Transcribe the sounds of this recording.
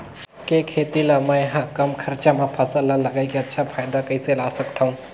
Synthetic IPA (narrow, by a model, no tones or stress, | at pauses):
kekʰet̪ilamə̃jɦãkəmkʰəɾt͡ʃamẽpʰasəlːəlːəɡaɪkeɐtːʃʰapʰaːɪd̪akəiselasəkt̪ʰaũ